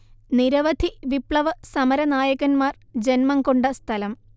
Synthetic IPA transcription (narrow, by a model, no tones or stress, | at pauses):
niɾɐʋɐd̪ʱiʋipɭɐʋɐsɐmɐɾɐnaːjɐɣɐnmaːr | d͡ʑenmɐŋkoɳɖɐst̪ʰɐlɐm